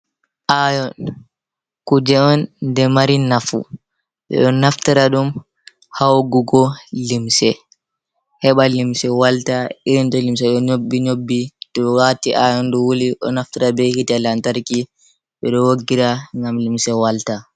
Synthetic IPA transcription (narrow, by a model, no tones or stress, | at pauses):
ʔajɔn | kud͡ʒɛɔndɛmaɾinafṵ | ɓɛ̰ɗɔnaftiɾaɗum | hawɡuɡɔlimsɛ | hɛɓalimsɛwaltaiɾintɔlimsɛɗɔɲobːiɲobːitɔwatiʔajɔnɗɔwuliɗɔ̰naftiɾabɛhitalantaɾki | ɓɛɗɔwoɡːiɾaŋɡamlimsɛwalta